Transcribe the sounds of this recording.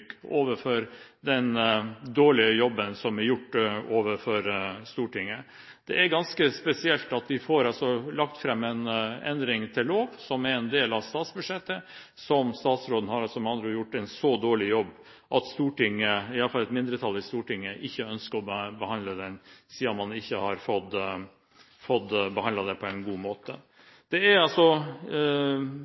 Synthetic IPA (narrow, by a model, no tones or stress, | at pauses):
koːʋəfɔɾd̪ɛnd̪oːɭɪəjɔbːənsɔmæɾjʊʈːoːʋəɾfɔɾst̪uːʈɪŋːə | d̪̥ɛ̰æɾɡɑnskəspɛsɪɛlt̪ɑt̪ʋɪfoːɾɑlsɔlɑkt̪fɾɛmːɛnɛ̰nd̪ɾɪŋt̪ʰɪlːoːʋsɔmæɾɛnd̪eːlɑʋst̪ɑːt̪sbʉd̪ʂɛt̪ːə | sɔmst̪ɑːt̪sɾoːd̪ən̩hɑɾɑlsɔmɑnd̪ɾəjʊʈːɛnsɔd̪oːɭɪjɔbː | ʔɑt̪st̪uːʈɪŋːəɪɑləfɑlɛt̪mɪnd̪ɾət̪ʰɑlːɪst̪uːʈɪŋːəʔɪçːəœnskəɾɔbəbəhɑnd̪ləd̪ɛnsiːɔmmɑnɪçːəhɑɾfɔd̪ | fɔd̪bəhɑnd̪lɑd̪ɛpʰɔɛɪnɡuːmoːt̪ə | d̪̥ɛæɾɑlsɔ